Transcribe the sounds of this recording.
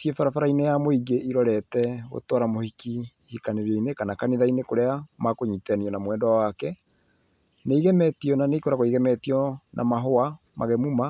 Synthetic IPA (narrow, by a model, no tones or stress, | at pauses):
sjefaɾafaɾainejamoiɡeʔiɾɔɾɛtɛɣo̰tɔɾamohikihikaneɾjɔinekanakaniðainekoɾeamakoɲitɛaniɔnamwɛːndɔwawakɛ | neiɣɛmɛtiɔnaneikoɾaɣoiɣɛmɛtiɔnʔa̰maɦoa | maɣɛmuma